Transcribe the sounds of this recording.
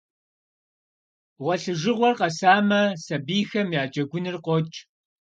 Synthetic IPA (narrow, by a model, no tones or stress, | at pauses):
wɐɬɨʒɨʁʷɔrqɐsaːmɐsɐbiːxɐmjaːd͡ʒʼɐɡʷʊnɨrqʷɔt͡ʃʼ